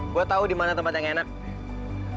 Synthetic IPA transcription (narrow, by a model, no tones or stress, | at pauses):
ɡuat̪audimanat̪əmpat̪̚jaŋenak̚